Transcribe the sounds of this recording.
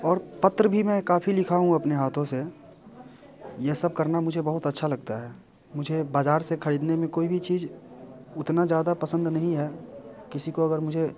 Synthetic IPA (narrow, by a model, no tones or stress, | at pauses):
ɔːɾpɐt̪ɾəbʱimɛ̃kaːpʰilɪkʰaːɦũɐpneɦaːt̪ʰõse | jesəb̚kɐɾnamʊd͡ʒʱebəɦʊt̪ətːʃʰalɐɡ̚t̪aɦɛː | mʊd͡ʒʱebaːd͡ʒaːɾsekʰəɾiːd̪nemẽkoːibʱit͡ʃiːz | ʊt̪nad͡ʒjaːd̪apəsə̃nd̪nɐɦĩɦɛːkɪsikoɐɡəɾmʊd͡ʒʱe